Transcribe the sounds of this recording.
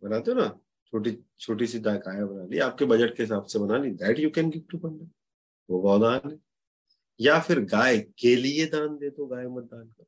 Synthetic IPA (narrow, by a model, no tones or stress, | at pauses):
bɐnaːt̪eona | t͡ʃʰoːʈ̬i | t͡ʃʰoːʈisiɖaːkaːjebɐnaːliaːp̚kebɐd͡ʒəʈkeɦɪsaːbsebɐnaːlĩd̪ɛːʈjukɛ̃nɡɪʋʈupɐ̃nɖə | ʋoɡɔːd̪aːnɛ̃ | jafɪɾɡaːekelied̪aːnd̪eːt̪oɡaːjemɐɾd̪aːnka